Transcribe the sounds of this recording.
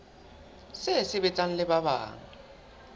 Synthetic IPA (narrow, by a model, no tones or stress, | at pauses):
sɪsɪβɪt͡sʼan̩lɪbaβa̰ːŋa